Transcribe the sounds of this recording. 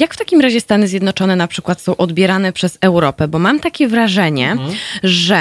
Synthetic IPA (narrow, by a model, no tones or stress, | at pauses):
jakft̪akʲimɾaʑɛst̪anɘzʲjɛd̪nɔt͡ʂɔnɛnapʂɘkwat̪sɔ̃w̃ʔɔd̪bʲjɛɾan̪ɛpʂɛzɛwɾɔpɛbɔmamt̪akʲɛvɾaʐɛɲɛʐɛ